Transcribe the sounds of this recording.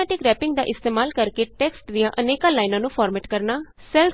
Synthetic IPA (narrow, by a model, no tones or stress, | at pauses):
ɛːʈɪkɾɛːpɪ̃ŋɡd̪a̰ːʔɪst̪eːmaːlkəɾkeʈɛːksʈd̪ijãːʔəneːkaːlaːɪnãːnũːpʰaːɾmɛːʈkəɾnaː | sɛl